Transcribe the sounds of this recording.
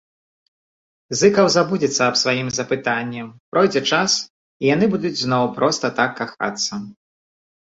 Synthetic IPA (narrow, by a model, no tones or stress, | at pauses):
zɨkɐwzabud͡zʲit̪sːɐːpsvajimzɐpɨt̪anʲːɛmpɾʔɔjd͡zʲɛt͡ʂas | ijanɨbud̪ud͡zʲznɔwpɾɔst̪ɐt̪akːaxa̰t̪sːɐ